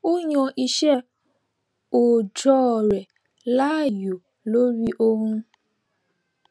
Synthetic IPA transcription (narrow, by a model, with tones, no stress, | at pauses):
o˦ɲɔ̃˧ʔi˦ʃɛ˦ | o˨d͡ʒɔ˦˨ɾɛ˨ | la˦˨jo˨ | lo˦ɾi˦ʔo˦ɦũ˦